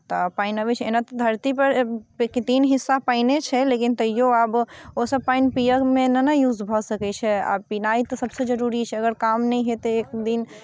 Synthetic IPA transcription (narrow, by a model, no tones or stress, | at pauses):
t̪ɔpainəbɛt͡ʃʰenat̪ɔd̪ʱəɾt̪ipəɾket̪inɦisːapainet͡ʃʰɛlekint̪əijoabosəbpainpijəkmenənajud͡ʒbʱɔsəkɛt͡ʃʰɛa̰pinait̪ɔsəbsẽd͡ʒəɾuɾit͡ʃʰɛəɡəɾkamnɛjɦet̪eek̚d̪in